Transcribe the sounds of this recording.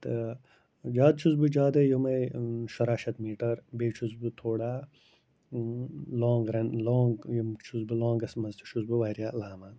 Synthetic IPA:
t̪ɐ | d͡ʒaːd̪̚t͡ʃʰuzbud͡ʒaːd̪ɐjumɐjʃɐɾaːʃɐt̪miːʈɐɾbeːt͡ʃʰuzbut̪ʰoːɽaː | loːŋɡɾɐnloːŋɡjumt͡ʃʰuzbuloːŋɡɐsmɐzt̪ʰi̥ʃʰuzbuʋaːɾjaːlaːmaː

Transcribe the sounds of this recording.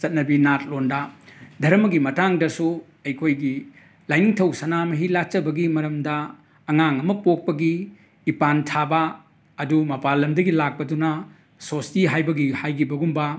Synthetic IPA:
t͡ʃɐt̚nɐbinat̚londɐdʱɐɾɐmɐɡimɐtaŋdɐsu | ɐjkʰojɡi | lajniŋtʰɐwsɐnamɐɦilat͡ʃɐbɐɡimɐɾɐmdɐː | ŋaŋɐmɐpok̚pɐɡiː | pantʰabɐː | dumɐpalːɐmdɐɡilak̚pɐdunɐ | sostiɦajbɐɡihajɡibɐɡumbɐ

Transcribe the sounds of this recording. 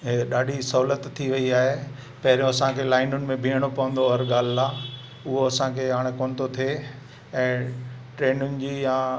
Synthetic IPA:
ɦɗaːɖʱisɐɦuːlət̪ʰːiʋɐiaːɦe | pɐɦɪɾũɐsãkʰeːlaːɪnʊnɪ̆mẽbʱiːəɽ̃opɐʋə̃n̆d̪oəɾɠaːl̤ɪlaː | ʊɦoɐsãkʰeːɦaːɽ̃ekoːnɪ̆t̪ʰot̪ʰie | ɛ̃ːʈɾeːnʊnɪ̆d͡ʑiːjãː

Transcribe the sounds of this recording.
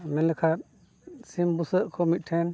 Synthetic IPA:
mɛnlɛkʰa | simbusəʔkʰɔmit̪̚ʈʰɛn

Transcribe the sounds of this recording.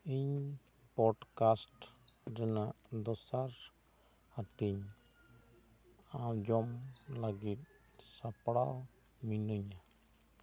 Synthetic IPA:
iɲ | pɔɖkasʈɾɛnaʔd̪ɔsaɾ | haʈiɲ | awd͡ʒɔmlaɡit̪̚ | sapɽaw | minuɲa

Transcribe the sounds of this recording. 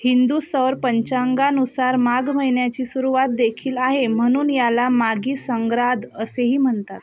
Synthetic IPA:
hind̪usəʋɾpəɲt͡ɕaŋɡanusaɾmaɡm̤əjɳjat͡ɕiːsuɾuʋat̪̚d̪ekʰiːlaɦem̤əɽ̃uːnjalamaɡiːsəŋɡɾad̪əseɦiːm̤əɳt̪at̪

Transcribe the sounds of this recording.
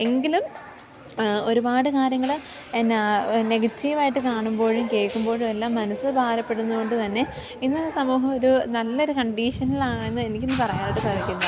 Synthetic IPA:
e̞ŋɡilum | o̞ɾubaːɽɨkaːɾjɐŋːɐɭ | nːneɡɐt͡ɕːijuʋaːjiʈːɨkaːɳumbo̞ːɻumke̞ɭkːumbo̞ːɻumelːaːmːɐnɐsɨbʱaːlɐpːe̞ɽunːuko̞ɳɖɨt̪ɐnːe̞ | inːɨsɐmuːɦɐmo̞ɾunɐlːɐo̞ɾukɐɳɖiːʂɐnːɐlaːɳe̞nːɨe̞nikʲːenːɨpɐrɐjaːnoʈːɨsɐʋɐkʲːunːɐ

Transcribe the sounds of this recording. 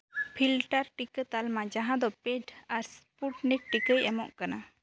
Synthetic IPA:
pʰilʈaɾʈikət̪almad͡ʒaɦãd̪ɔpeɖaɾspuʈnɛʈ̚ʈːikəjʔɛmɔʔkana

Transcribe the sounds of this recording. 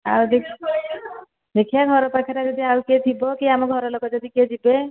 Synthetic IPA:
a̰wd̪ekʰ | d̪ekʰijaɡʱɔɾɔpakʰɛɾad͡ʒɔd̪iawket̪ʰibɔkiamɔɡʱɔɾɔlɔkɔd͡ʒɔd̪iked͡ʒibe

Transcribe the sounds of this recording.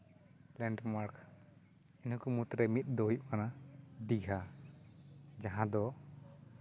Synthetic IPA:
lɛɳɖmaɾk | inukumut̪ɾɛmit̪̚ˀd̪ɔjʔ̚kanadiɡʱa | d͡ʒaɦãd̪ɔ

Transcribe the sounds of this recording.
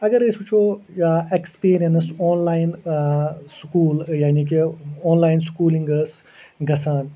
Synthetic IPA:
ɐɡɐɾesut͡ʃʰo | ekspiːɾijɐnsɔːnlaːjn | skuːljaːnik̬eɔːnlaːjnskuːlĩŋɡəs | ɡɐsaːn

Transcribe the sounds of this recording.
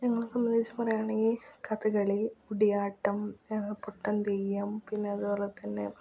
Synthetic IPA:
ɲɐŋːɐɭsɐmːɐnit͡ɕːupɐrɐjaːɳeŋɡilkɐt̪ɨkɐɭiuɽijaːʈːɐmpoʈːɐnt̪ijːɐmpinːe̞ɐðubo̞ːlet̪ɐnːḛ

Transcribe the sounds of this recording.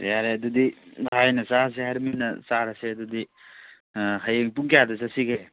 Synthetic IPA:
tjaɾeɐdudihajnɐsas̬eɦaɾminɐsaɾaseɐdudi | ɦajeŋpuŋkijadɐs̬ɐsiɡe

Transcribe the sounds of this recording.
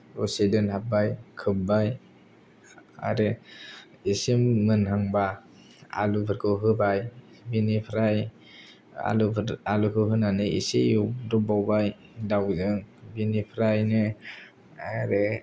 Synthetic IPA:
ɾosedɯnhabajkʰɯp̚baj | a̰ɾɯ | isimːɯnhaŋba | a̰lupʰɯɾkʰɯɦɯbaj | binipʰɾaj | a̰luɾalukʰɯɦɯnanɯḭseuɾɔbawbaj | dawzɯŋbinipʰɾajnɯ | aɾɯ

